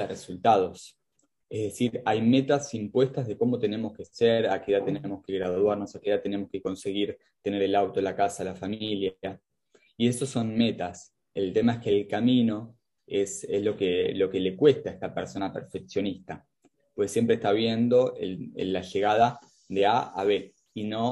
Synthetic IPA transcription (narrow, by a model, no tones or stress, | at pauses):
result̪að̞o̞s | ehðe̞siɾajme̞t̪asimpwe̞st̪azðe̞ko̞mo̞t̪e̞ne̞moske̞seɾakeðat̪e̞nemo̞ske̞ɣɾaððwaɾno̞sakeðat̪e̞ne̞mo̞ske̞ko̞nse̞ɣiɾ | t̪e̞ne̞ɾe̞lawt̪o̞lakasalafamilja | ie̞so̞so̞nme̞t̪as | e̞lt̪e̞maehkelkamino̞ | esezlo̞kelo̞ke̞le̞kwe̞st̪aest̪apeɾso̞napeɾfeksjo̞nist̪a | pwesːje̞mpɾest̪aβ̞je̞nd̪o̞ḛḛlːaʒe̞ɣað̞a | ðe̞aa̰βe̞ | ino̞